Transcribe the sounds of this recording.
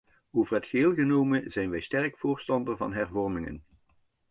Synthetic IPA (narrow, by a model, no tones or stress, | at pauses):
owvərɦətχəɦɪːlˠɣənowmənzɛjnʋɛjstɛrkfʊːɹstɑndəɹvɑ̰nɦɛɹvɔrmɪŋə̰n